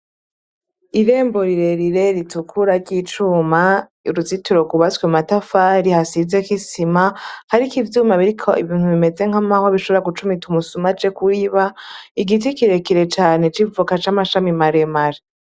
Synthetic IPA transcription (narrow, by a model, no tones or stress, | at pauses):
iɾe̞ːmboɾiɾe̞ɾiɾe̞ɾitukʰuɾaɾɟit͡ʃuːma | uɾuzituɾo̞kuβaswematafaɾihasizekisimahaɾikivjumaβiɾikʰo̞ʔḭβiːn̥huβimeze̞ŋ̥hamahoβiʃoβɾaɡut͡ʃumitumusumat͡ʃe̞kuiβaiɡit̬ikiɾe̞kiɾe̞t͡ʃaːne̞t͡ʃivukat͡ʃamaʃamimaɾemaɾe